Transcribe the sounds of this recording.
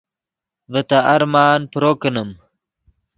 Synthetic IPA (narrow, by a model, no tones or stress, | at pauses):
vət̪aʔɐɾmaːnpɾoːkənəm